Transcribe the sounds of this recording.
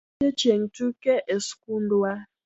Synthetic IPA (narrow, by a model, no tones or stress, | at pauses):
ɛ̥t͡ʃeŋ̩tukɛʔeskundua